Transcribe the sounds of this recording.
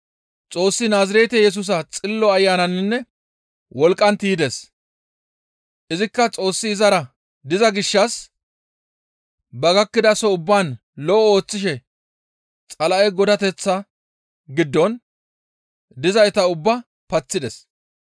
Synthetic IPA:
t͡sʼo̞ːsːɪnaːzɪɾeːt̪ɛjɛs̬ʊs̬ɐt͡sʼɪlːɔɐjːaːnɐnɪnːɛ | wɔlkʼːɐnt̪iːd̪es | ʔɪzɪkːɐt͡sʼo̞ːsːɪːzɐɾɐ | d̪ɪzɐɡɪʃːɐs | bɐɡɐkːɪd̪ɐsɔʊbːaːn | lɔʔɔo̞ːt͡sːɪʃ̬ɛ | t͡sʼɐlɐʔɛɡɔd̪ɐt̪ɛt͡sːɐ | ɡɪd̪ːɔn | d̪ɪzɐjt̪ɐʊbːɐ | pɐt͡sːɪd̪ɛs

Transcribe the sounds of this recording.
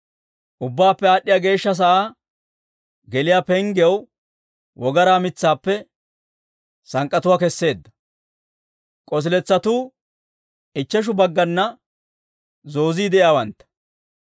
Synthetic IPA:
ʔʊbːaːpːɛaːɗːɪjaːɡe̞ːʃːɐs̬ɐʔaː | ɡɛlɪjaːpɛŋɡɪjɛw | wɔɡɐɾaːmɪt͡sːaːpːɛ | sɐŋkʼɐt̪ʊwaːkɛsːe̞ːd̪ːɐ̥ | kʼɔs̬ɪlɛt͡sːɐt̪uː | ʔɪt͡ʃːɛʃ̬ʊbɐɡːɐnːɐ | zo̞ːziːd̪ɛʔjaːwɐnt̪ːɐ̥

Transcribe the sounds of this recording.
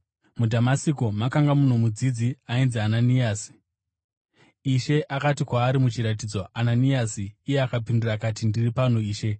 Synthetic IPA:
mudʱamasikomakaŋɡamun̤umud͡zid͡ziainziananijaːsi̥ | iʃe̞ʔakatikwaːɾimut͡ʃiɾat̬id͡zo̞ʔananiasiːjeakapindurakatindiripan̤uiːʃe̞

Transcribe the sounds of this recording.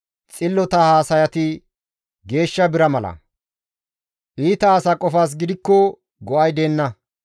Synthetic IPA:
t͡sʼɪlːɔt̪ɐhaːsɐjɐt̪ɪ | ɡe̞ːʃːɐbɪɾɐmɐlɐ̰ | ʔiːt̪ɐːsakʼɔfaːs̬ɡɪd̪ɪkːɔ | ɡɔʔɐjd̪eːnːɐ

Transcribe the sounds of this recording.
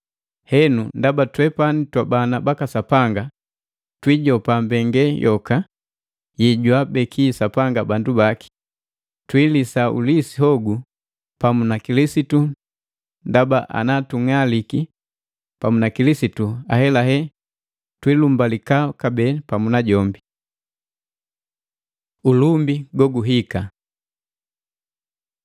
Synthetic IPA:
hɛnundabatwɛpanitwabanabakasapaŋɡa | twiɟɔpambɛŋɡɛjʔɔka | jiɟwabɛkʰisapaŋɡabandubaki̥ | twilisaṵlisiɦɔɡu | pamunakilisitu | ndabaʔa̰natuŋaliki | pamunakilisituahɛlaɦɛ | twilumbalikakabɛpamunaɟɔmbi | ulumbiɡɔɡuɦika

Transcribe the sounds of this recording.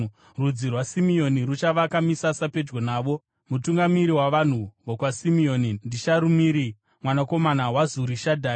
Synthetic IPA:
rud͡zirwasimio̞nirut͡ʃaʋakamisasape̞d͡ʒɡo̞naːʋo̞ | mutuŋɡamiɾiwaʋan̤uʋokwasimio̞nindiʃaɾumiːɾi | mwanako̞manawazuɾiʃadʱa

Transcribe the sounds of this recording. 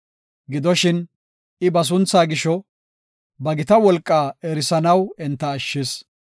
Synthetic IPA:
ɡɪd̪ɔʃɪn | ɪbɐs̬ʊnt͡sːaːɡɪʃɔ | bɐɡɪt̪ɐwɔlkʼːaːɛɾɪsɐnɐwɛnt̪ːɐːʃːɪs

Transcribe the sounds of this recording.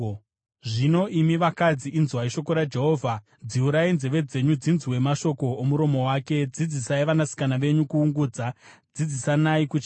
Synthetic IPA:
ʐino̞ʔimiʋakad͡ziʔinzwaiʃo̞koɾad͡ʒe̞ɦo̞ːvʱa | d͡ziuɾainzeʋe̞d͡ze̞ɲud͡zinziwe̞maʃo̞ko̞ːmuɾo̞mo̞waːke̞d͡zid͡zisaiʋanasi̥kanaʋe̞ɲukuːŋɡuːd͡zad͡zid͡zisanaikut͡ʃa

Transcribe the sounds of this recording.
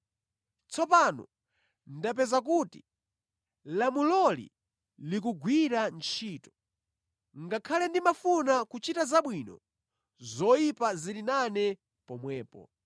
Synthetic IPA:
t͡sɔpanɔ̰ | ndap̬ɛzak̬uti̥̰ | lamulɔlḭ | likuɡwiɾant͡ʃʰiːtɔ̥ | ŋɡakʰalɛndimafunakut͡ʃitazaɓwinɔ̰ | zɔjipazilinanɛ | pɔmwɛːpɔ̰

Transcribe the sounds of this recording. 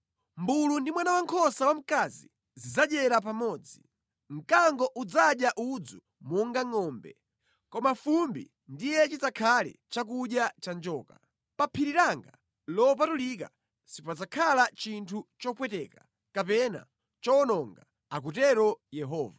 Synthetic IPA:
mbulundimwanawaŋkʰɔsawam̩kazḭ | zid͡zaɗɛɾap̬amɔːd͡zi | ŋ̩kaŋɡɔʔud͡zaɗjaʔud͡zu | mɔŋɡaŋɔːmbɛ̰ | kɔmafumbḭ | ndijɛt͡ʃit͡sakʰalɛ̰t͡ʃak̬uɗjat͡ʃand͡ʒɔːka | papʰiɾiɾaŋɡa | lɔp̬atulika̰ | sipad͡zakʰalat͡ʃintʰut͡ʃɔpwɛtɛkḁ | kapɛna̰ | t͡ʃɔnɔŋɡa | ak̬utɛɾɔjɛɦɔːva

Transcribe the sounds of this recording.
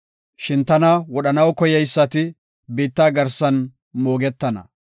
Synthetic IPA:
ʃɪnt̪ɐnɐwɔɗɐnɐwkɔjɛjsːɐt̪ɪ | biːt̪ːaːɡɐɾsːɐn | moːɡɛt̪ːɐnɐ̰

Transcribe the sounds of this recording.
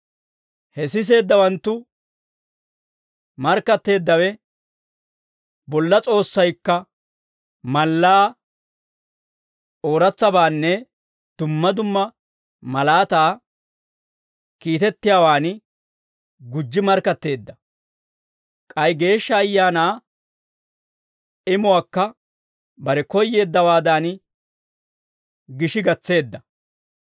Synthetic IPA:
hɛsɪs̬e̞ːd̪ːɐwɐnt̪ːʊ | mɐɾkːɐt̪ːe̞ːd̪ːɐwɛ | bɔlːɐt͡sʼo̞ːsːɐjkːɐ | mɐlːaː | oːɾɐt͡sːɐbaːnːɛ | d̪̥ʊmːɐd̪ʊmːɐ | mɐlaːt̪aː | kiːt̪ɛt̪ːɪjaːwaːn | ɡʊd͡ʒːɪmɐɾkɐt̪ːe̞ːd̪ːɐ | kʼɐjɡe̞ːʃːɐːjːaːnaː | ɪmʊwaːkːɐ | bɐɾɛkɔjːe̞ːd̪ːɐwaːd̪aːn | ɡɪʃɪɡɐt͡sːe̞ːd̪ːɐ

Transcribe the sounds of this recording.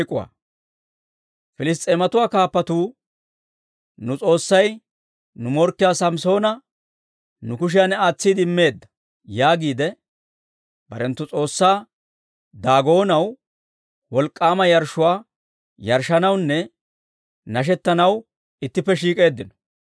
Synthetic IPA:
kʼːʊwa̰ː | fɪlɪs̬t̪ʼeːmɐt̪ʊwaːkaːpːɐt̪uː | nʊt͡sʼo̞ːsːɐj | nʊmɔɾkːɪjaːsɐmso̞ːnɐ | nʊkʊʃ̬ɪjanɛaːt͡sːiːd̪ɪmːe̞ːd̪ːɐ̥ | jaːɡiːd̪ɛ | bɐ̰ɾɛnt̪ːʊt͡sʼo̞ːsːaː | d̪aːɡo̞ːnɐw | wɔlkʼːaːmɐjɐɾʃːʊwaː | jɐɾʃɐnɐwnːɛ | nɐʃ̬ɛt̪ːɐnɐw | ɪt̪ːɪpːɛʃiːkʼe̞ːd̪ːɪnɔ̥

